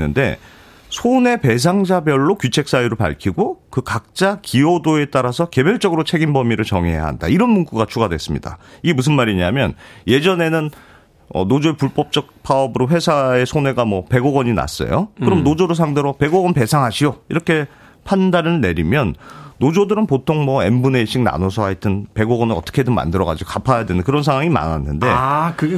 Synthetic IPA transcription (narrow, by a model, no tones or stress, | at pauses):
nːɯnde̞̰ | sʰone̞pe̞s̬ʰaŋd͡ʑabjʌɭːokjut͡ɕʰe̞k̚s͈ajiɾɯɭpa̰ɭkʰiɡokɯkak̚t͡ɕ͈akiodoe̞t͈aɾasʰʌke̞bjʌɭt͡ɕ͈ʌɡɯɾot͡ɕʰe̞ɡimbʌmiɾɯɭt͡ɕʌŋeɦeja̰ɦa̰nda̰iɾʌnmuŋk͈uɡat͡ɕʰuɡadwe̞̰s͈ɯmɲida̰iɡemus̬ʰɯnmaɾiɲiamjʌ̰nje̞d͡ʑʌne̞nɯn | ʌ̰nod͡ʑoepuɭp͈ʌp̚t͡ɕ͈ʌk̚pʰaʌbɯɾoɸwe̞sʰae̞sʰone̞ɡamwʌpe̞ɡoɡʌɲina̰s͈ʌ̰jo̰kɯɾʌmnod͡ʑoɾos̬ʰaŋdeɾope̞ɡoɡʌnpe̞sʰaŋɦaɕʰioiɾʌkʰe̞ | pʰandaɾɯɭne̞ɾimjʌnːod͡ʑodɯɾɯnpotʰoŋmʌe̞mbune̞ɕʰiŋna̰nosʰʌɦaitʰɯnpe̞ɡoɡʌnɯʌt͈ʌ̥kʰedɯŋma̰ndɯɾʌɡa̰d͡ʑiɡokapʰajadwenɯnkɯɾʌnsʰaŋwaŋima̰na̰nːɯnde̞kɯɡ